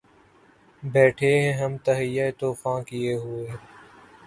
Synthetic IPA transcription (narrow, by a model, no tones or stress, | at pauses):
bɛːʈʰeɦɛ̃ːɦəmt̪əɦɪjːaet̪oːfãːkɪjeːɦʊeː